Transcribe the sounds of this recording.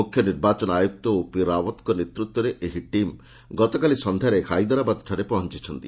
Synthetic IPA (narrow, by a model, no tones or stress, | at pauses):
ukʰjɔniɾbat͡ʃɔnajuk̚t̪ɔopiɾawɔt̪kɔnet̪ɾut̪wɔɾeʔeɦiʈim | ɡɔt̪ɔkalisɔnd̪ʱaɾekʰajd̪ɔɾabad̪ʈʰaɾepɔɦɔnt͡ʃit͡ʃʰɔnt̪i